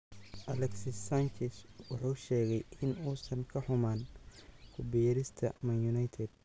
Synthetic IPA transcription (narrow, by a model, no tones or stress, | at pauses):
ʔɐlɛksisant͡ʃɛswɑħuːʃɛːɣɛjʔɪnuːsɐŋkʰɐħʊmaːnkʰʊbɪjɐɾɪst̪ʰɐmɐnjʊnajt̪ʰɛd̪̥̚